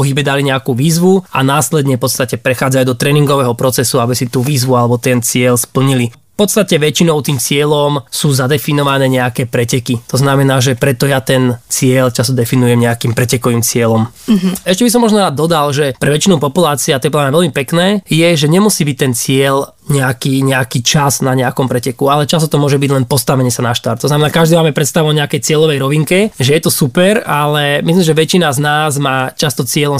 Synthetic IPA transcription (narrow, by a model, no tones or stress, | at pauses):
pɔɦibɛd̪aliɲɛakuːʋiːzʋua̰naːslɛd̪ɲɛfpɔt̪st̪acɛpɾɛxaːd͡zajuːd̪ɔt̪ɾɛːniŋɡɔʋɛːɦɔpɾɔt͡sɛsuabisit̪uːʋiːzʋualɛbɔt̪ɛnt͡sɪɛlspl̩ɲili | fpɔt̪st̪acɛʋɛt͡ʃinɔʊt̪iːmt͡sɪɛlɔmsuːzad̪ɛfinɔʋanɛːɲɛakɛːpɾɛcɛkit̪ɔznamɛnaːʒɛpɾɛt̪ɔjat̪ɛnt͡sɪɛlt͡ʃasɔd̪ɛfinujɛmɲɛakiːmpɾɛcɛkɔʋiːmt͡sɪɛlɔmɛʃcɛbis̬ɔmːɔʒnɔɾaːd̪ːɔd̪alʒɛpɾɛʋɛt͡ʃinupɔpulaːt͡siat̪ɛp̬lanaʋɛlmipɛknɛːjɛʒɛɲɛmusiːbic̚t̪ɛnt͡sɪɛl | ɲɛakiɲɛakiːt͡ʃaznaɲɛakɔmpɾɛcɛkualɛt͡ʃast̪ɔt̪ɔmʊɔʒɛbiɟlɛnpɔst̪aʋɛɲɪɛsanaʃt̪aɾt̪ːɔznamɛnaːkaʒd̪iːmaːmɛpɾɛt̪st̪aʋuɔɲɛakɛjt͡sɪɛlɔʋɛjɾɔʋiŋkɛʒɛjɛt̪ɔsupɛɾalɛmislimʒɛʋɛt͡ʃinaznaːzmaːt͡ʃast̪ɔt͡sɪɛlɔm